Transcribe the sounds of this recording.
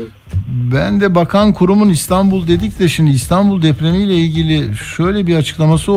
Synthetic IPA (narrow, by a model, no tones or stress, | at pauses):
bænd̪ɛbakʰankʰuɾumunist̪ʰanbulˠd̪e̞d̪icd̪ʲeʃiniːst̪ʰanbulˠd̪ɛpɾemijlʲɛilʲɟilʲiʃø̞jlʲɛbiɾat͡ʃʰɯ̥klˠamasɯ